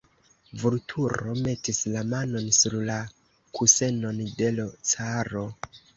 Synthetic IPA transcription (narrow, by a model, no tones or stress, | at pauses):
vuɾtʰuɾo̞me̞tislamano̞nsuɾla | kʰuse̞no̞nde̞lo̞t͡saɾo̞